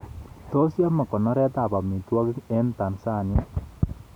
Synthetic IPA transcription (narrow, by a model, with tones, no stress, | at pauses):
t̪o˦sja˦ma˨kɔ˨nɔ˦ɾɛ˦t̪a˨ba˨mi˨t̪wɔ˦ɡɛ˦nt̪a˨nsa˦˨ni˦